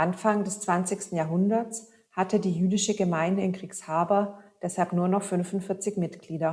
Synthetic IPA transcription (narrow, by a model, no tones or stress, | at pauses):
ʔanfaŋdɛst͡sv̥ant͡sɪçstn̩jaːɐɦʊndɐt͡s | hatʰədiːjyːdɪʃəɡəmaɪndəɪnɡʁ̥iːçshaːbɐd̥ɛshalpnuːɐnɔχfʏnfʊntfɪɐt͡sɪçmɪtɡ̥liːdɐ